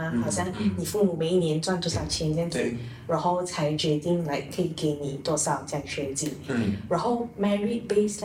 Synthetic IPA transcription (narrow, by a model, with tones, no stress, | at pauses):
xɑ˨˩ʊɕja˥˩ŋni˨˩fu˥˩mu˨˩me˨ɪi˥˩njɛ˧˥nt͡swa˥˧nt̪wɔ˥˧˩sjɑ˥˩ʊt͡ɕʰjɛ˧˥nt͡ɕjɛ˥˧ntḭ˨˩˦ | ɻa˨˧˥nxo˥˩ʊt͡sʰa˧˥ɪt͡ɕɥɛ˧˥t̪i˥˩ŋla˧˦˥ɪkʰə˧˥i˨˩ke˧˥ɪni˨˩t̪wɔ˥˧sɑ˥˧ʊt͡ɕja˥˩ɕɥɛ˧˥nt͡ɕi˥˩ɻa˧˥nxo˥˩ʊmɛ˥˧ɹi˥˧pe˥˧s